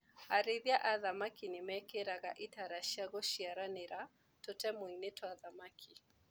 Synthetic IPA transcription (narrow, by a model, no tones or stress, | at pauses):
aɾɪðjaʔaðamakinɪmɛkeɾaɣaʔitaɾaʃiaɣɔʃiaɾanɪɾa | totɛmʊinetwaðamakʰi